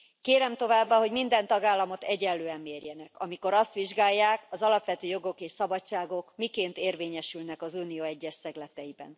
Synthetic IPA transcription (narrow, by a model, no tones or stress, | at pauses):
keːɾɛmt̪o̞vaːbːaɦo̞ɟmind̪ɛnt̪ɒɡaːlːɒmo̞t̪ɛɟɛlːøːɛmːeːrjɛnɛkɒ̰miko̞ɾɒst̪ʋiʒɡaːjːaːkɒzɒlɒpʋɛt̪øːjo̞ɡo̞keːʃsɒbɒt͡ʃaːɡo̞kmikeːnt̪eːrveːɲɛʃylnɛkɒzuːnijoɛɟːɛʃsɛɡlɛt̪ɛjibɛ̰n